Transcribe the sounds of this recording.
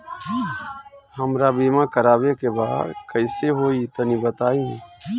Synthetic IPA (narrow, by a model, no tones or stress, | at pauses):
həmɾabiːmãkəɾaːbekebaːd̪kəɪseɦoːiːt̪ənibət̪aːĩ